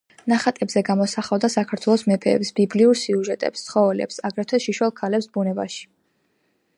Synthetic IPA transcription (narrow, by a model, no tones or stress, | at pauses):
naχat̪ʼɛbzɛɡamɔsaχavd̪asakʰaɾt̪ʰwɛlˠɔsmɛpʰɛ̰ːpsb̥ibliuɾsiuʒɛt̪ʼɛ̰pst̪sʰχɔvɛlɛ̰psaɡɾɛt̪ʰɛʃiʃwɛlˠkʰalɛpsbunɛba̰ʃi̥